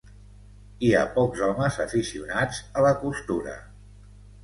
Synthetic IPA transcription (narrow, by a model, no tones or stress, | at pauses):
ia̰pɔkzɔməzəfisiunad͡zələkust̪uɾə̰